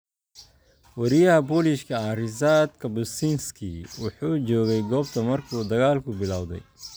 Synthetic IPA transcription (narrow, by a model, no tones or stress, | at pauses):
wɐɾɪjɐhɐbɔːlɪʃkʰɐɐrɪzaːd̪kʰɐbʊsinskʰiwʊħuːt͡ʃɔːɣɛjɡɔːbt̪ʰɐmɐrkʰuːd̪ɐɣaːlkʰʊbɪlaːwðɛ̰j